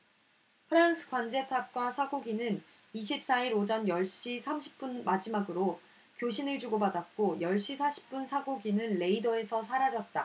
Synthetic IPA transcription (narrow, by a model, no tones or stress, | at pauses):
pʰɯɾansʰɯ̥kwand͡ʑe̞tʰak̚k͈wasʰaɡoɡinɯn | iɕʰip̚s͈aiɾod͡ʑʌnjʌɭɕ͈isʰamɕʰi̥p̚p͈unmad͡ʑimaɡɯɾo | kjoɕʰinɯɭd͡ʑuɡobadat̚k͈ojʌɭɕ͈isʰaɕʰi̥p̚p͈unsʰaɡoɡinɯnle̞idʌe̞sʰʌsʰaɾad͡ʑʌt̚t͈a